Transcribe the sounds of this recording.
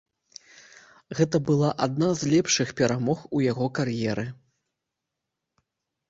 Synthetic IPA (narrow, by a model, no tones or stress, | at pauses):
ɣɛt̪ɐbɨlˠaʔad̪̚nazlʲɛpʂɨxpʲɛɾamɔxujaɣɔkarjɛɾɨ